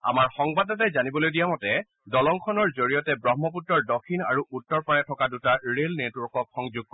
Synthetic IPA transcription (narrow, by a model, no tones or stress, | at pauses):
a̰maɹxɔŋbadɔtɛzanibɔlojdijamɔtɛ | dɔlɔŋkʰɔnɔɹzoɹijɔtɛbɹɔɦmɔp̬utɹɔɹdɔkʰina̰ɹuʔutːɔɹpɔɹɛtʰɔkadutaɹelnetwɔɹkɔkxɔŋzuɡ̚kɔ